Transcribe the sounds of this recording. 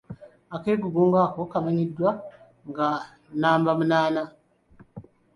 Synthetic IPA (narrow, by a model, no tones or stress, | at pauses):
akeːɡuɡuːŋɡaːko̞kamaɲidːwa | ŋɡa | naːmbamunaːna